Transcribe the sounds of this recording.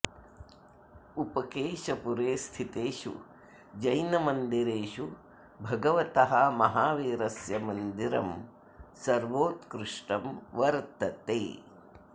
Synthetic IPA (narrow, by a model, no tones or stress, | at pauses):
upɐkeːʃɐpuɾeːst̪ʰit̪eːʃṵ | d͡ʒɐjnɐmɐnd̪iɾeːʃu | bʱɐɡɐʋɐt̪ɐɦɐmɐɦaːʋeːɾɐsjɐmɐnd̪iɾɐ̰m | sɐɾʋoːt̪kɾuʂʈɐmʋɐɾt̪ɐt̪eː